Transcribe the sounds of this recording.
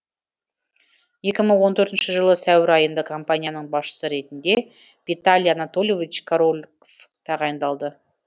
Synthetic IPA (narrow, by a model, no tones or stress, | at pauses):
je̞kʲɪməɴwo̞nt̪ʰɵɾt̪ɪnʃɪʒəlˠəsæwɪɾɑjənd̪əkʰo̞mpanʲijanəɴbɑsʃə̥səɾe̞t̪ɪnd̪e̞ | vit̪alʲˠjanat̪o̞lʲˠjo̞vʲit͡ʃkʰaɾolʲkoft̪ʰɑʁɑjənd̪ɑlˠd̪ə